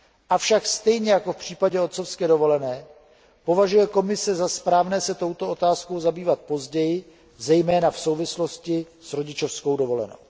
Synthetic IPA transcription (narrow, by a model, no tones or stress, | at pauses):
ʔafʃakst̪ɛjɲɛjakofpr̝̥iːpaɟɛo̞t̪sofskɛːdo̞vo̞lɛnɛː | po̞vaʒujɛko̞mɪsɛzaspɾaːvnɛːsɛt̪o̞wt̪o̞o̞t̪aːskowzabiːvat̪̚po̞zɟɛjɪ | zɛjmɛːnafso̞wvɪslo̞scɪ | sɾo̞ɟɪt͡ʃofsko̞wdo̞vo̞lɛ̰no̰w